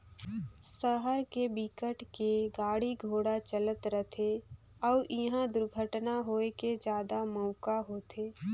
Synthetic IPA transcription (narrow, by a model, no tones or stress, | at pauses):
səɦəɾkebikəʈkeɡaːɽiɡʱoːɽat͡ʃələt̪ɾət̪ʰe | ɔːʔɪɦãd̪ʊɾɡʱəʈnaɦoːeked͡ʒjaːd̪aməːkaɦoːt̪eː